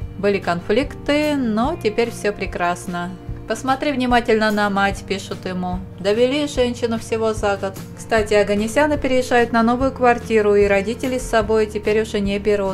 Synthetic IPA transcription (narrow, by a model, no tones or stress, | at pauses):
bɨlʲɪkɐnflʲikt̪ɨnotʲɪpʲeɾʲfsʲɵpɾʲɪkɾasnə | pəsmɐt̪ɾʲivnʲɪmatʲɪlʲnənɐmatʲpʲiʂʊt̪jɪmu | d̪əvʲɪlʲiʐɛnʲɕɪnʊfsʲɪvo̞zaɡət̪ | kst̪atʲɪɐɡənʲɪsʲanɨpʲɪɾʲɪɪʐːajʊt̪nɐno̞vʊjʊkvɐrtʲiɾʊiɾɐdʲitʲɪlʲɪsːɐbo̞jtʲɪpʲeɾʲʊʐɛnʲɪbʲɪɾut̪̚